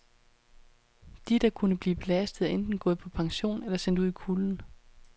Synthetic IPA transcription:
d̥id̥ɑ̈kʰunəb̥liːb̥e̝læsd̥ð̩ˠæʔend̥n̩ɡ̥ɔ̽ːð̩ˠpʰɒ̽pʰɑ̈ŋɕo̝̰ːnelɐsen̰d̥uð̰ˠikʰuln̩

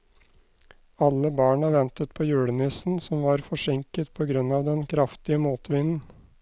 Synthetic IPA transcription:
ɑlːəbɑːɳɑʋɛnt̪ət̪̚pʰoːjʉːɽənɪsn̩sɔmʋɑːɾfɔʂɪŋkət̪pʰɔːɡɾʉnːɑːʋd̪ɛnkʰɾɑft̪ɪəmuːt̪ʋɪnn̩

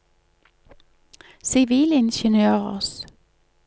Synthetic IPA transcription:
sɪʋiːlɪnʃənøːʁə̰ʁs

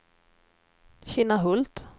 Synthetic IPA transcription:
ɕiːnaɦɵlt̪

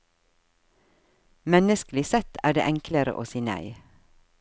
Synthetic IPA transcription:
mɛnəsklɪsɛt̪ʰæ̰ːɖḛːʔɛŋkləɾə̰ʔo̰ːsiːnæ̰ɪ

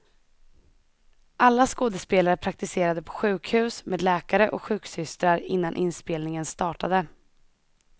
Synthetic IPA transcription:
ʔalːaskoːd̪əspeːlaɾəpʰɾak̚t̪ɪseːɾad̪əpʰɔ̥ɧʉ̟ːkhʉ̟ːsmʔeːd̪lɛːkaɾəʔɔ̰kɧʉ̟ːksʏst̪ɾaɾɪ̰nːanʔɪnspeːlnɪŋənst̪ɑːʈad̪ə

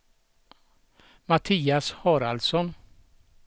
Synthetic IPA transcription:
mat̪ʰiːashɑːɾald̪sɔn

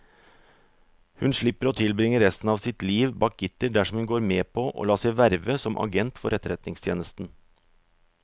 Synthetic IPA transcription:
hʉnʂɭɪpːəɾoːt̪ʰɪlbɾɪŋəɾɾɛst̪n̩ɑːʋsɪt̪liːʋbɑːk̚ɡɪt̪əɖæʂɔmhʉnɡoːɾmeːpʰoːʔo̰ːlɑːsɛɪʋæɾʋəsɔmʔɑ̰ɡɛnt̪fɔɾɛt̪ɾɛt̪nɪŋst̪ʰjeːnəst̪n̩

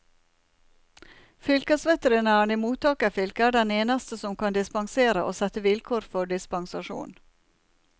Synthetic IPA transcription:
fʏlkəsʋɛt̪əɾənæːɳiːmuːt̪ʰɑːkəfʏlkəæːɖɛneːnɑst̪əsɔmkʰɑnd̪ɪspɑŋseːɾəʔo̰ːsɛt̪əʋɪlkʰoːɾfɔɖɪspɑŋsɑʃṵːn

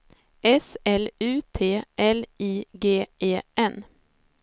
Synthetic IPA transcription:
ʔɛsɛlʉ̟ːt̪ʰeːʔɛliːɡeːeːʔɛn

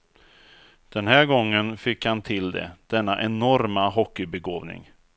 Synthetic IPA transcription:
d̪̥ɛnɦæːɾɡɔŋːənfɪkhant̪ʰɪld̪ɛ̰d̪̥ɛnːaʔɛnɔɾmaɦɔkːɪbɛɡoːvnɪ̰ŋ

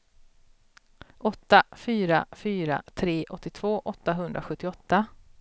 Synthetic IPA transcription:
ʔɔt̪ːafyːɾafyːɾa̰t̪ʰɾeːʔɔt̪ːɪt̪ʰv̥oːʔɔt̪ːaɦɵnd̪ɾaɧɵt̪ːɪɔt̪ːa

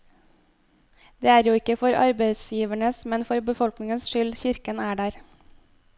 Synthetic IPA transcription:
d̪̥eːæːɾjuːɪkəfɔɾɑ̰ɾbeɪsjiːʋæɳəsmɛnfɔɾbəfɔlknɪŋənsʃʏlçɪɾkənæːɖæːɾ

